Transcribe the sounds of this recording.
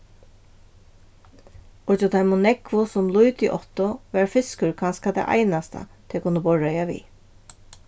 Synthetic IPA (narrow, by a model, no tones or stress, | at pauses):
ʊt͡ʃʊt̪ʰajmʊnɛkvʊsʊmlujt̪ḭʔɔt̪ʊʋæɹfɪskʏɹkʰanskad̪ɛ̰ʔa̰jnast̪a̰t̪ʰɛkʰʊnːəbɔɹajaʋḭː